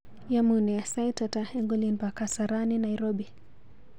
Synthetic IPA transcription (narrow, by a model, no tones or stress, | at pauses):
jamunɛasajtataɛŋɡɔlinbakasaɾaninajɾɔbi